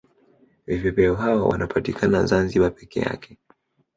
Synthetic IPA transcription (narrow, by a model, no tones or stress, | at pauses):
vivɛpɛɔɦawawa̰nʔapatikʰana̰zanziɓapɛkɛ̰ja̰kʰɛ̥